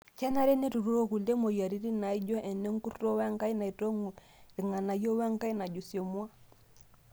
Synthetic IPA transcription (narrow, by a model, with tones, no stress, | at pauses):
t͡ʃɛ˦na˦ɾɛ˦ne˦tu˨ɾu˦ɾo˦ku˨lde˦mo˨ja˨ɾi˦ɾi˦na˨i˦d͡ʒɔ˦ʔɛ˨nɛ˦ŋ˦ku˦ɾto˦wɛ˦ŋka˦i˦na˨i˨to˦ŋu˨ | ɾi˨ŋa˨na˨jo˦wa˦ŋka˦i˦na˨d͡ʒu˨sjo˨mwa˦